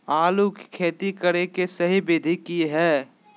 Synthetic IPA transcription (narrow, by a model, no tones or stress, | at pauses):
aːlukkʰeːt̪ikəɾekesəɦibɪd̪ʱikiɦɛː